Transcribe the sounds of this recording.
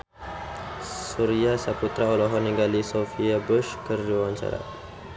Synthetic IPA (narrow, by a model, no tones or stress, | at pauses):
suɾiasaput̪ɾaɔlɔɦɔniŋɡalisofiabuʃkərd͡ʒuwant͡ʃa̰ɾa̰